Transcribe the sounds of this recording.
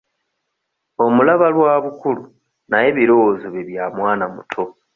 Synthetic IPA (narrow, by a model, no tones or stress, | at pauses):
o̞mulaβalwaːβukulu | naje̞βiɾo̞wozoβiβjamwaːnamutʰo̞